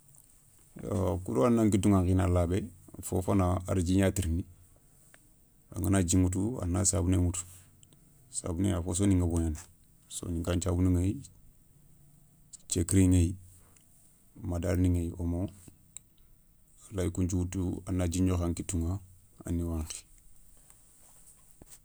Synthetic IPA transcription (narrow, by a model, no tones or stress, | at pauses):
jo̰kuɾoanːaŋkituŋaŋkinalabeafo̰fanaaɾd͡ʒiɲatiɾni | a̰ŋanad͡ʒiŋut̬ua̰nasa̰bunemutu̥ | sa̰bunḛafos̬oniŋɡaboɲan | so̰niŋɡaɲt͡ʃabuniŋaj | t͡ʃekɾiŋej | madaɾniŋajiʔomo | alajkuɲt͡ʃuwutua̰nːad͡ʒiɲd͡ʒoxaŋkituŋaa̰nːiwaːŋxi̥